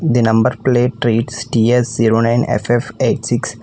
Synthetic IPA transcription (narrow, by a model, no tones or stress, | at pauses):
d̪inɐ̃mbəɾpleːʈɾiːʈsʈiːesziːɾoːnãɪ̃nḛfefeːʈsiks